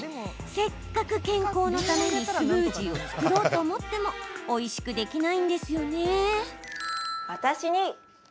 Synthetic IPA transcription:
se̞kːakɯ̟kẽ̞ŋko̞ːno̞t̪ame̞ɲ̟isɯɾɯ̟ːʑio̞t͡sɨ̥kkɯ̟ɾo̞ːt̪o̞ːmo̞t̪ːe̞mo̞ːiɕi̥kɯ̟d̪e̞kʲinaĩnd̪e̞sɨjo̞ne̞ | βat̪aɕiɲ̟i

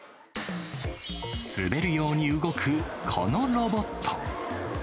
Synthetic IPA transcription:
sɨ̰be̞ɾɯ̟jo̞ːɲ̟iɯɡo̞kʰɯ̟kʰo̞̰no̞ɾo̞bo̞t̪ʰːo̰

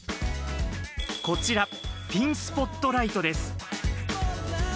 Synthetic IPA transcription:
ko̞t͡ɕiɾa | pʲĩɰ̃sɨ̥po̞t̪ːo̞ɾait̪o̞d̪e̞sɨ̥

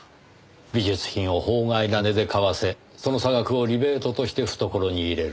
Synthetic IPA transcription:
bʲiʑɨt͡sɨ̥çĩɰ̃o̞ho̞ːŋainane̞d̪e̞kaβase̞ | so̞no̞saɡakɯ̟o̞ɾʲibe̞ːt̪o̞t̪o̞ɕi̥t̪e̞ɸɯ̟̥t̪o̞ko̞ɾo̞ɲ̟iːɾe̞ɾɯ̟

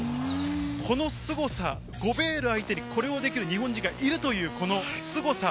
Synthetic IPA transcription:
kʰo̞no̞sɨɡo̞sa | ɡ̥o̞be̞ːɾɯ̟ait̪e̞ɲ̟ikʰo̞ɾe̞o̞d̪e̞kʲiɾɯ̟ɲ̟iɦõ̞ɲ̟d͡ʑiŋɡaʔiɾɯ̟t̪o̞jɯ̟ːko̞no̞sɨɡo̞sa

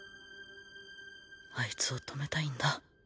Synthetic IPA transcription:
ait͡sɨo̞t̪ʰo̞me̞t̪aĩnd̪a

